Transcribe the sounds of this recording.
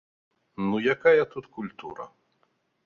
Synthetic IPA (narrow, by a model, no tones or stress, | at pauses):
nujakajɐt̪ut̪kulʲt̪ṵɾɐ̰